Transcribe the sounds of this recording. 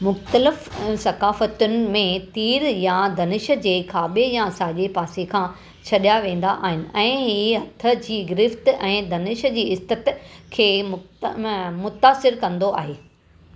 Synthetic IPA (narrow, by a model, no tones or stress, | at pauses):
mʊxt̪əlɪfsɐkaːfət̪ʊnɪ̆mẽt̪iːɾjãd̪ʱɐnɪʃə̆d͡ʑeːkʰaːbejãsaːʄepaːsikʰãː | t͡ɕʰɐɗjaʋẽːn̆d̪aʔaːɦɪnɪ̆ɛ̃ːɦiːɦɐt̪ʰə̆d͡ʑiːɡɪɾɪft̪ɛ̃ːd̪ɐnɪʃd͡ʑiːɪst̪ɪt̪kʰeːm | mʊt̪aːsɪɾkɐ̃nd̪oʔa̰ːɦeː